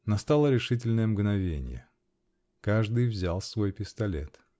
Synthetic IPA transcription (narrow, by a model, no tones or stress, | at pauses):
nɐst̪alˠəɾʲɪʂɨt̬ʲɪlʲnəjəmɡnɐvʲenʲɪ̰jə̰ | kaʐd̪ɨjvzʲalˠsvo̞jpʲɪst̪ɐlʲe̞̰t̪